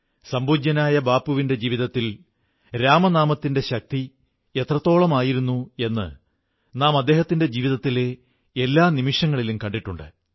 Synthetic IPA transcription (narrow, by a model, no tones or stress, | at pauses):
sɐmbuːd͡ʑːɐnaːjɐbaːpːuʋinde̞d͡ʑiːʋiðɐt̪ːil | ɾaːmɐnaːmɐt̪ːinde̞ɕɐk̚t̪i | e̞t̪rɐt̪ːo̞ːɭɐmaːjiɾunːue̞nːɨ̰ | naːmɐd̪ːe̞ːɦɐt̪ːinde̞d͡ʑiːʋiðɐt̪ːile̞ | elːaːnimiʂjɐŋːɐɭilumkɐɳɖiʈːuɳɖɨ̰